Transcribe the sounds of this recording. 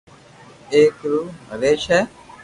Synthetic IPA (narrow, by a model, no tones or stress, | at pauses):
eːkɾuːɦəɾeːʃɛː